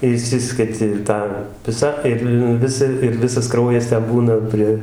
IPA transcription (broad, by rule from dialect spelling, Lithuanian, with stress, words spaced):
ɪˈʃʲsʲɪsʲkʲɛtʲɪ ˈtɑː ˈʋʲɪsɐ ˈɪr ˈʋʲɪsɐ ɪr ˈʋʲɪsɐs ˈkrɐʊjɛs ˈtʲɛn ˈbuːnɐ ˈpʲrʲiɛ